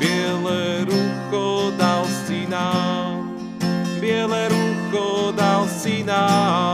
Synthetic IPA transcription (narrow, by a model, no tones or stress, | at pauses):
belɐɾukod̪alˠsinal | belɐɾukod̪alˠsina